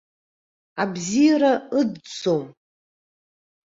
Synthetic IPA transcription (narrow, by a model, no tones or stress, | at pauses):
abzijaɾaɨdt͡som